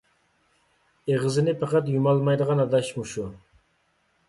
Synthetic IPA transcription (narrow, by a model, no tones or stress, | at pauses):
eʁəzɪnɪpʰɑqɑt̪jumɑlˠmɑjd̪əʁɑnɑd̪ɑʃmuʃu